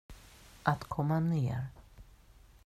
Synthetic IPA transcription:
ʔat̪kʰɔmːanḛːɾ

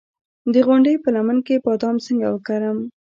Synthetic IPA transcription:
d̪əɣʊɳɖəjpəlamankepɑd̪ɑmsəŋɡawəkaɾəm

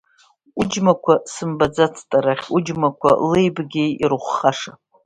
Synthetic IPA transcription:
ud͡ʒmakʷʰasɨmbad͡zat͡sʰtʼaɾaχʲud͡ʒmakʷʰa̰lejbɡʲejirχʷχaʂa

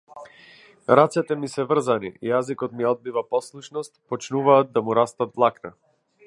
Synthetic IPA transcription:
ɾat̪sɛt̪ɛmisɛvr̩zanḭḭjazikɔt̪miɔd̪̚bivapɔslˠuʃnɔst̪pɔt͡ʃnuvaːd̪̚d̪amuɾast̪at̪vlˠakna

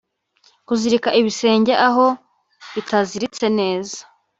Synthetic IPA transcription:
kuziɾikaʔiβise̞ːɲɟeʔaɦo̞ | βitʰaziɾit͡se̞ne̞ːza

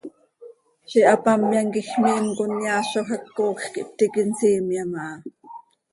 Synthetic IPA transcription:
ʃiʔɑpɑmjɑŋkixmiːmkonjaːʃoxɑkːoːxkiʔp̚t̪ikinsiːmjamɑʔɑ

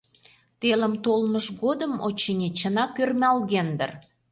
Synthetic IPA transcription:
t̪elə̆mt̪olməʒɣod̪əmo̰t͡ɕːinʲet͡ɕənɑkørmʲælɣend̪ə̰r

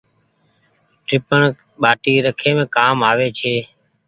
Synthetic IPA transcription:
ʈʰɾɪpəɳ | ɓaːʈiːɾəkʰeːmẽːkaːmaːʋeːt͡ʃʰeː

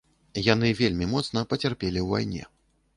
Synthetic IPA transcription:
jan̪ɨvʲelʲmʲimɔt̪snɐpɐt͡sʲarpʲelʲiwva̰jnʲɛ̰

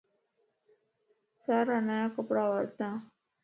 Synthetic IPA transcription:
saɾanajakəpɽaʋəɾt̪ã

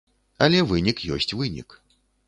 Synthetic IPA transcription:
ɐlʲɛvɨnʲikjɔ̰sʲt͡sʲvɨnʲḭk

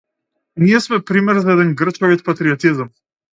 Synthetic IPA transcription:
niɛsmɛpɾimɛɾzaɛd̪ɛnɡr̩t͡ʃkɔvit̪̚pat̪ɾiɔt̪izm

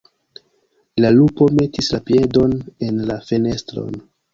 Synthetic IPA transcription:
lalupo̞me̞tislapije̞do̞ne̞nlafe̞ne̞stɾo̞̰n

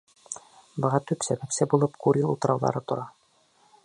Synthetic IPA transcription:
bɤ̆ʁɑt̪ʉpsæbæpsɘbulˠɤpkuɾʲilˠṵlˠt̪ɤ̆ɾɑ̰wlˠɑ̰ɾɤt̪ŏɾɑ

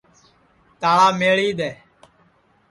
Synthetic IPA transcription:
t̪aːɭaːmeːɭiːd̪ɛː

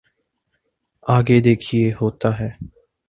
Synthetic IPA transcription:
aːɡeːd̪eːkʰieːɦoːt̪aːɦɛː

